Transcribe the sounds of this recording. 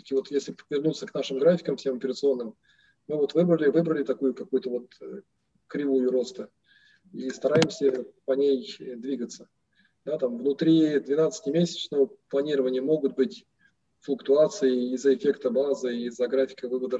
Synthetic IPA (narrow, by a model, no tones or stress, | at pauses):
t̪ə̥kʲɪvo̞t̪jesʲlʲɪvʲɪrnut̪sːəknaʂɨmɡɾafʲɪ̥kəmfsʲe̞mɐpʲɪɾət̪sɨo̞nːɨm | mɨvo̞t̪vɨbɾəlʲɪvɨbɾəlʲɪt̪ɐkujʊkɐkujʊt̪əvo̞t̪ə | kɾʲɪvujʊɾo̞st̪ə | ist̪ɐɾajɪmsʲəpɐnʲejd̪vʲiɡət̪sə | d̪at̪amvnʊt̪ɾʲid̪vʲɪnat̪sɨ̥tʲɪmʲesʲɪ̥t͡ɕnəvəplˠɐnʲiɾəvənʲɪjəmo̞ɡʊt̪̚bɨtʲ | flˠʊkt̪ʊat̪sɨjɪːzəɪfʲekt̪əbazɨizəɡɾafʲɪ̥kəvɨvəd̪ə